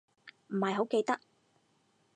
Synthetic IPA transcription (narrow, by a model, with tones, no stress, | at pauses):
m̩˨˩hɐ˨jɦo˨˥wke˧jt̪ɐ˥k̚